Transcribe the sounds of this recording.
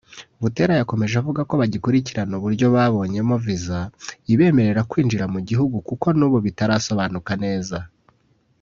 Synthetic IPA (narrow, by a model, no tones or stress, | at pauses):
βute̞ɾajako̞me̞ʒavuɡako̞βaɟikuɾiciɾanuβuɾɟo̞βaːβo̞ːɲe̞movizaiβe̞ːme̞ɾe̞ɾakwiːnd͡ʒiɾamuɟihuɡukuko̞nuːβoβitaɾaːso̞βaːnukane̞ːza